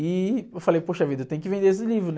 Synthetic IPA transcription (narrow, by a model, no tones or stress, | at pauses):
iewfalejpoʃɐvid̪ewt̪ẽj̃ʊkɪvẽd̪ees̬ɪlivɾʊn